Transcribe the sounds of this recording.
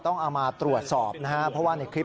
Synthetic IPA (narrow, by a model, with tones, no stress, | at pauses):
t̪ɔ˥˩ŋʔa˧wmaː˧t̪ɾu˨˩ət̪̚sɔː˨˩p̚na˦˥ha˦˥pʰɾɔ˦˥waː˥˩na˧jkʰɾi˦˥p̚